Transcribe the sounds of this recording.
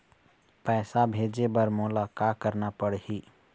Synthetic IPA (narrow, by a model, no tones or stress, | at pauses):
pɛːsabʱeːd͡ʒebəɾmʊlakakəɾnapəɽɦiː